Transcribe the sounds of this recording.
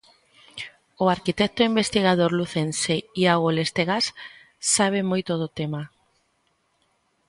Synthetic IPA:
ʊaɾkit̪ɛk̚t̪oimbest̪iɣað̞oɾluθenseiaɣolest̪eɣas | saβ̞emojt̪ʊð̞ʊt̪ema

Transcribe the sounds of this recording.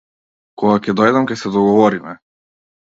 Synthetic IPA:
kɔɡakʲɛd̪ɔjd̪amkʲɛsɛd̪ɔɡɔvɔɾimɛ

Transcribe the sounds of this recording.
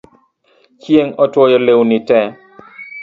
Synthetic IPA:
t͡ʃjeŋɔtwɔjɔlewnɪtɛ

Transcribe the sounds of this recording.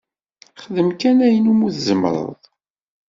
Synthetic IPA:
χəðəmkænæjənumuθzəmɾˤə̰ðˤ

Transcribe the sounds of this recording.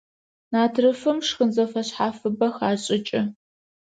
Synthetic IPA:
naːtʰrɨfɨmʂxənzɐfɐɕħaːfɨbɐxaːɕʼɪt͡ʃʼɪ

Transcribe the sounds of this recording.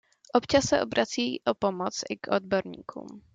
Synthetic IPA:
ʔopt͡ʃasːɛʔobɾʔat͡siːʔopo̞mot͡sʔɪkʔod̚bo̞ɾɲḭːkʰṵːm

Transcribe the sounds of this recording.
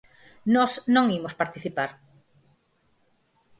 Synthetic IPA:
nɔsnõŋimospaɾt̪iθipaɾ

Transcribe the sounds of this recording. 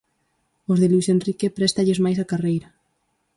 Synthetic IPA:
ozðelwisenrikepɾɛst̪aʎezmajs̬akarejɾa

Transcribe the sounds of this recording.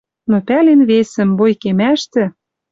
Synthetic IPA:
nopælenβesɘ̆mbojkemæʃt̪ɘ̆

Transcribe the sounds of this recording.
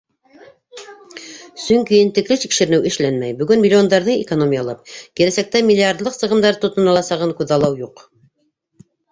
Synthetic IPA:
sɵŋkijɘnt̪ɘ̆klɘt̪ikʃɘ̆ɾɘ̆nɘwʔɘ̆ʃlænmæjbɵ̆ɡɵnmʲilʲːio̞nd̪ɑɾðɤŋḛkonomʲijɑlˠɑp̚kilæsæk̚t̪æmʲilʲːiard̪lˠɤqsɤ̆ʁɤ̆md̪ɑɾt̪ŏt̪ɤ̆nɑlˠɑsɑʁɤŋkʉðɑlˠɑwjuq

